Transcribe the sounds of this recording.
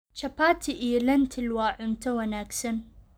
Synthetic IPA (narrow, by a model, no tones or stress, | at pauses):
t͡ʃɐpaːt̪ʰiʔiːlɐnt̪ʰɪlwaːʕʊnt̪ɐwɐnaːksɐn